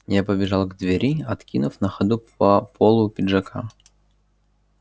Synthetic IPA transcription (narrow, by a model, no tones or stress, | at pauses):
japəbʲɪʐalˠɡd̪vʲɪɾʲiɐt̪kʲinʊfnəxɐd̪upɐpʰolˠʊpʲɪdʐɐkʰa̰